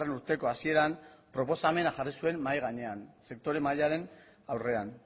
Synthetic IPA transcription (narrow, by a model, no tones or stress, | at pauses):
re̞nuɾt̪e̞ko̞asie̞ɾampɾo̞po̞same̞naʝarisue̞mːajɣ̞aɲe̞anse̞kt̪o̞ɾe̞maʎaɾe̞n | awre̞an